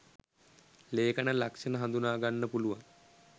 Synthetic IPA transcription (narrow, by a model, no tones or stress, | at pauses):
leːkənəlakʂənəɦand̪unaːɡanːəpuluʋaŋ